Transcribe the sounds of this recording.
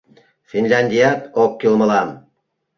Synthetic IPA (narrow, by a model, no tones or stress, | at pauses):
finʲlʲænd̪ijat̪ok̚kʲːilˠmə̆lˠɑm